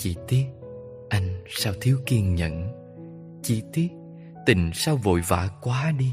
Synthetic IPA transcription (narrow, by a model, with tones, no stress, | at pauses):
t͡ɕḭ˧˩t̪i˦˥əp̚ | ʔa˧jŋ̟saː˧wt̪ʰi˨˦əwki˧əŋɲə̰˧˨n | t͡ɕi˧t̪i˦˥əp̚ | t̪i˨˩ŋ̟saː˧wvo̰˧˨jva̰ː˧˩kwaː˨˦ɗi˧